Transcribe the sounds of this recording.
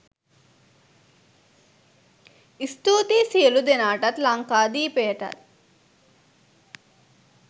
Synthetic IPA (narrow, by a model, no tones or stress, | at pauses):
ist̪uːt̪iːsijɐlud̪enaːʈɐt̪laŋkaːd̪iːpejɐʈɐ̰t̪̚